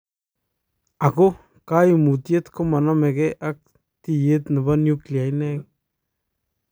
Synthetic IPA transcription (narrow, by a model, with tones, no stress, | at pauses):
a˨ko˦ | ka˦jmu˨t̪je˦t̪ko˦ma˨na˦me˨ɡe˦ʔa˦k̚ | t̪i˦je˦t̪na˨ba˦nju˦klja˨jne˦k